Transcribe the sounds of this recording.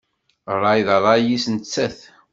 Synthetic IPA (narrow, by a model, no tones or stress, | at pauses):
rˤːɑjðɾˤɑjisnt͡sːæθ